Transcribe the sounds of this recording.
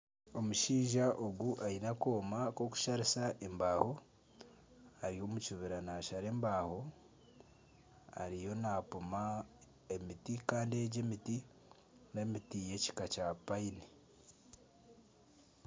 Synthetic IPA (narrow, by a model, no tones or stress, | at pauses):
o̞muʃiːʒaʔo̞ɡuʔainako̞ːmako̞ku̥ʃaɾisaʔembaːho̞ | aɾijo̞mucuβiɾanaːʃaɾe̞ːmbaːho̞ | a̰ɾijo̞napuma | emitikaːndie̞ɟe̞miti | ne̞mitije̞ci̥kacapaini